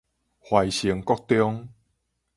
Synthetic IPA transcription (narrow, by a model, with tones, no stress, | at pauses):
hwa˨˩jɕi˨˦ŋkɔ˦k̚t̪jɔ˦ŋ